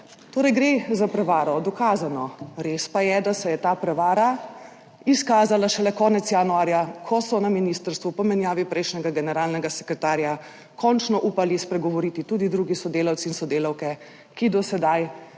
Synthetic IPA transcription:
t̪oːɾɛjɡɾezapɾɛʋaːɾɔd̪ɔkaːzanɔɾespajɛd̪asɛjɛt̪aːpɾɛʋaːɾa | iskaːzalaʃɛlɛkɔːnɛt̪sjaːnuaːɾjakʰɔsɔnaminiːst̪əɾst̪ʋupɔmɛnjaːʋipɾɛjʃnɛɡaɡɛnɛɾaːlnɛɡasɛ̥kɾɛt̪aːɾja | kʰɔnt͡ʃnɔʔuːpalispɾɛɡɔʋɔɾit̪it̪ud̪id̪ɾuːɡisɔd̪eːlawtsiːnsɔd̪eːlawkɛ | kid̪ɔsɛd̪aj

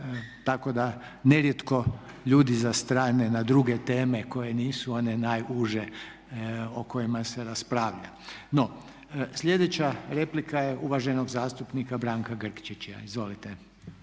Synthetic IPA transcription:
t̪ako̞d̪a | ne̞ɾjet̪ko̞ | ʎuːd̪izast̪ɾaːnenad̪ɾuɡet̪e̞ːme̞ko̞je̞niːsuo̞ne̞najuʒe | oko̞jimaseɾaspɾaːʋʎa̰ | no̞ | sʎʲe̞d̪et͡ɕaɾe̞plikajeʔuʋaʒeno̞ɡzaːst̪upnikabɾaːŋkaɡr̩kt͡ʃit͡ʃa̰izʋo̞lit̪e

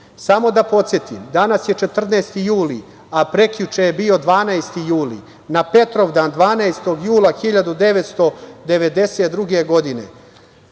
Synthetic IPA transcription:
samo̞d̪apo̞t̪sje̞t̪ḭmd̪anasje̞t͡ʃe̞t̪r̩nest̪ijuːli | apɾe̞kʎut͡ʃejebio̞d̪ʋaːnaest̪ijuːlḭ | nape̞t̪ɾo̞ʋd̪and̪ʋaːnaest̪o̞ɡjuːlˠaxiʎad̪ud̪e̞ʋet̪st̪o̞d̪e̞ʋe̞d̪e̞set̪̚d̪ɾuɡe̞ɡo̞d̪inḛ

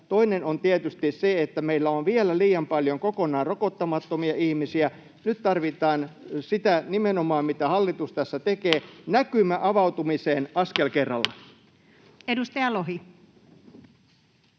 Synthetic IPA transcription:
t̪oinenont̪iet̪yst̪isseet̪ːæmeilːæonʋielæliːjɑmpɑljoŋkokonɑːrokot̪ːɑmɑt̪ːomiɑʔihmisiæ | nyt̪t̪ɑrʋit̪ɑːnsit̪ænimenomɑːmmit̪æhɑlːit̪ust̪æsːæt̪ekeːnækymæʔɑʋɑwt̪umiseːnɑskelkerːɑlːɑ | edust̪ɑjɑloɦi

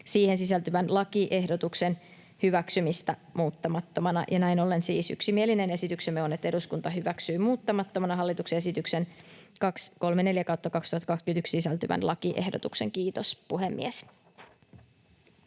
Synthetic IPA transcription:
siːhe̞nsisælt̪yʋænlɑkiʔe̞hdo̞t̪ukse̞n | hyʋæksymist̪æmuːt̪ːɑmɑt̪ːomɑnɑ̰jɑnæino̞lːe̞nsiːsy̰ksimieline̞ne̞sit̪yksemːeonet̪ːe̞duskunt̪ɑɦyʋæksyːmuːt̪ːɑmɑt̪ːomɑnɑɦɑlːit̪uksee̞s̬it̪ykse̞n | kɑksko̞lmene̞ljækɑut̪ːɑkɑkst̪uhɑt̪ːɑkɑkskynt̪ykssisælt̪yʋæ̰nlʔɑkiʔe̞̰hdot̪ukseŋkiːt̪o̞spuɦemːḭes

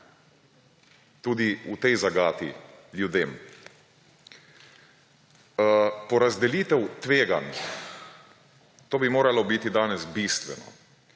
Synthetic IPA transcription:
t̪uːd̪iut̪ɛjzaɡaːt̪ḭljud̪eːm | pɔɾazd̪ɛliːt̪ɛwt̪ʋeːɡan | t̪oːbimoːɾalɔbit̪id̪aːnɛsbist̪ʋɛ̰nɔ̰

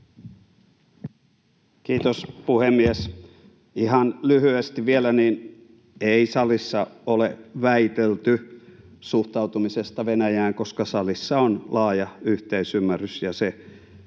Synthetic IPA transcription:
kiːt̪ospuhemːies | ihɑnlyhyest̪iʋielæniːn | eisɑlisːɑoleʋæit̪elt̪y | suht̪ɑut̪umisest̪ɑʋenæjæːŋkoskɑsɑlisːɑonlɑːjɑyht̪eisymːærysjɑse

